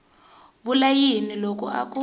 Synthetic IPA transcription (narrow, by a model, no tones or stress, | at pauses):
βulajinilok̬ʼṵa̰kʼu